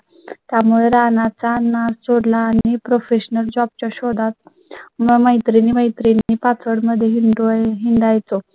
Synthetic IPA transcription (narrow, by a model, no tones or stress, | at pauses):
t̪jamuɭeɾanat͡sanat͡soɽlaːɽipɾofeɕnəld͡ʑɔb̚t͡ɕaɕod̪ʱat̪̚ | məməjt̪ɾiniməjt̪ɾiniːpat͡sʰəɽməd̪ʱːjeɦiɳɖɦiɳɖajt͡so